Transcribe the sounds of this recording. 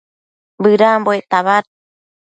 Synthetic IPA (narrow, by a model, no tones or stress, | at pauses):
bɯɾamboet̪aβat̪̚